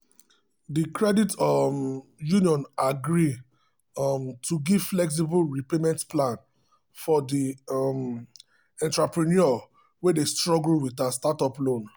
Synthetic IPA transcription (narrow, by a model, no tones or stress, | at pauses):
dikɹɛditmjuniɔ̃naɡɹi | mtʰuɡivflɛks̬ibulɹipemɛ̃ntplãn | fɔdim | ɛ̃ntɹapɹinɔɔ | wedestɹɔɡl̩witastatɔplõn